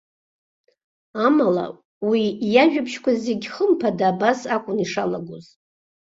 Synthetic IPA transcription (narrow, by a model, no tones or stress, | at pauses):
amala̰ | wijaʒᶣapʰʃkʷʰazeɡʲχəmpʰadabasakʷʼʊniʂalaɡʷoz